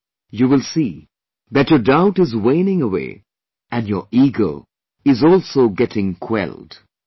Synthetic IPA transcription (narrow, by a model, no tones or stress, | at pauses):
juwɪlˠsi | ðɨtjədaʊtɨzweɪnɪ̃ŋəwḛː | ɨ̃njə̰ɹiɡoʊ | ɪzɔlˠsoʊɡɛtʰɪ̃ŋkʰw̥ɛ̰lˠd̥